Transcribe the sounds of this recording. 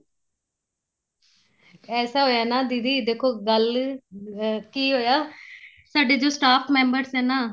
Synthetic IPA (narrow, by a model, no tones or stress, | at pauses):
ɛːsaːɦoːjaːnaːd̪iːd̪iːd̪eːkʰoːɡəl | kiːɦoːjaː | saːɖeːd͡ʒoːsʈaːpʰmɛ̃ːmbəɾsɛːnaː